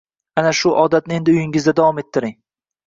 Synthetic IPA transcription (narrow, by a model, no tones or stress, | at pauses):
anaʃʊʔɒd̪at̪nɪe̞nd̪ɪʊjɪŋɪzd̪ad̪avɒme̞t̪ʰːɪɾɪŋ